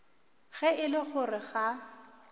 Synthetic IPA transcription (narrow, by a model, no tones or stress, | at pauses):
ɣɛɪlɪχʊrɪɣa